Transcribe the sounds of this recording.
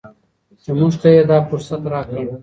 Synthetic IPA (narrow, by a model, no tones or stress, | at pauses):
t͡ʃemuʒt̪ajed̪ɑːfʊɾsat̪ɾɑːkə